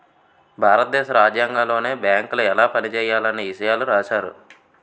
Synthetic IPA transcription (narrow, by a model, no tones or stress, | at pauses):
bʱaːɾɐt̪̚d̪ɛːʃɐɾaːd͡ʒjaːŋɡaːlo̞ːne̞ːbjaːŋkluɛlaːpɐnit͡ʃɛːjːaːlɐneiʃɐjaːluɾaːt͡ʃaːɾṵ